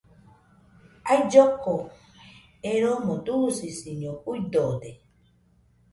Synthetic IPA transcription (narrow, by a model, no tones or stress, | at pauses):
aid͡ʒoko | eɾomõd̪usisiɲõujd̪od̪e